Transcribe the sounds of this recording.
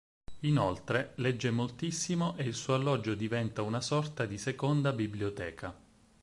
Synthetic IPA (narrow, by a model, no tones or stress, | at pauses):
inolt̪ɾelɛd͡ʒːemolt̪isːimoʔeilsuːoalːɔd͡ʒːod̪ivɛnt̪aunasɔrt̪ad̪isekond̪abibliot̪ɛːka